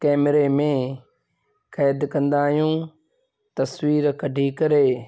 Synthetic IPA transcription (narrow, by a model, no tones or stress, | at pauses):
kɛːmɾeːmẽː | kʰɛːd̪kə̃nd̪aːɦijũː | t̪ɐswiːɾkəɖʱiːkɐɾeː